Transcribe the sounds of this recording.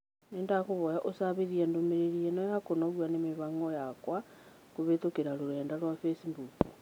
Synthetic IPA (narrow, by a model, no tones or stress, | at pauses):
nendakuβojaʔosaβiðiendumeɾeɾijenojakonoɾwanemiβaŋɡojakwa | kuβetukeɾaluleːndalwafesimbupo